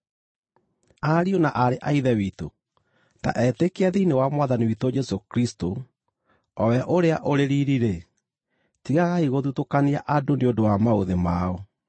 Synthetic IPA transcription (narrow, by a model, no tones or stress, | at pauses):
aɾionaʔaɾeʔaiðɛwito̰ | ta̰ʔɛtekeaðiinewamwaðaniwitod͡ʒɛsokɾisto | ɔwɛʔoɾeaʔoɾeɾiɾiɾe | tiɣaɣaiɣoðutokaniaʔadoneodowamaoðemaɔ